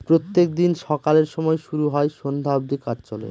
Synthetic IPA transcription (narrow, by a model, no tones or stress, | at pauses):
pɾot̪ːek̚d̪inʃɔkaleɾʃɔmɔeʃuɾuɦɔeʃond̪ʱaobd̪ikatt͡ɕɔlḛ